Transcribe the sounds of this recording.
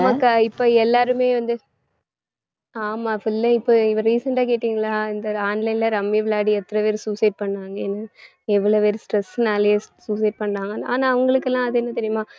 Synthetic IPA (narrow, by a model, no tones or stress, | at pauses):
nɐmakːaɪpːoːɛlːaːɾɯmeːʋɐnd̪ɯ | aːmaːfʊlːɐɪpːoːɪʋɐ̃ɾiːsɐɳʈaːkeːʈːiːŋɡɐɭaːɪnd̪ɐaːnlɐɪnlɐɾɐmːiʋɪlaːɽiɛt̪ːɐɾɐʋeːɾɯsuːsɐɪʈ̚pɐɳːɾaːŋɡɐɛnːɐ | ɛʋːɐɭoːpeːɾɯsʈɾɛsnaːlɐjeːsuːsɐɪʈ̚pɐɳːɾaːŋɡɐa̰ːnaːɐʋɐŋɡɐɭɯkːɛlːãːɐðɯɛnːɐt̪ɛɾɪjɐmaː